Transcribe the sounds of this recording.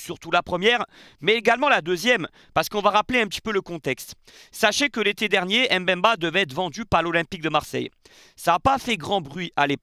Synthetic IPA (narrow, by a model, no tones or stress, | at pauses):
syʁt̪ulapχəmjɛːʁ | mɛeɡalmɑ̃lad̪øzjɛm | paʁsə̥kɔ̃vaʁapleɛ̃pət̪i̥pøləkɔ̃t̪ɛkst̪ | saʃẽkəlet̪ed̪ɛʁnjeɛmbɛ̃mbad̪əvɛɛt̪χvɑ̃d̪ypaʁlɔlɛ̃pik̚d̪əmaʁsɛ̰j | saːpafɛɡʁɑ̃bʁɥiʔalep